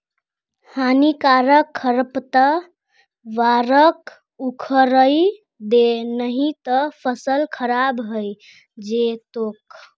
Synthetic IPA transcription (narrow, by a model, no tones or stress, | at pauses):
hanikaɾəkʰːəɾpt̪ə | ʋaɾək | ukʰəɾəj | d̪enəɦit̪əpʰəsəlkʰəɾabɦəj | d͡ʒet̪ok